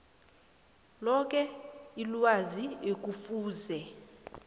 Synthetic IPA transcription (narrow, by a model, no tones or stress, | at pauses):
lɔk̬ʼɛilwaziek̬ʼufuːzɛ